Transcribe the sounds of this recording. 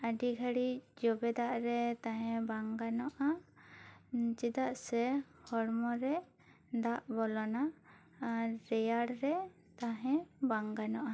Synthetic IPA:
aɖiɡʱaɽid͡ʒɔbɛd̪aʔɾɛt̪aɦɛ̃baŋɡanɔʔa | d͡ʒɛd̪aʔsɛ | hɔɽmɔɾɛ | d̪aʔbɔlɔna | ɾɛjaɽɾɛ | t̪aɦɛ̃baŋɡanɔʔa

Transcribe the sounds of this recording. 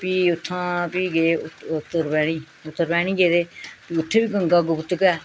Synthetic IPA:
piːʊt̪ʰːãːpiːɡeːʊt̪ːəɾbɛːɽ̃iː | ʊt̪ːəɾpɛːɽ̃ĩːɡeːd̪eːpiːʊt̪ʰːeːbiːɡə̃ŋɡaːɡʊbt̪kɛː

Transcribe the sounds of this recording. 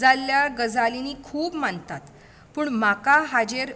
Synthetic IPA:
d͡zalːjaɡəd͡zaliniːkʰuːbmant̪at̪ | puːɳmakaɦad͡ʑeɾ

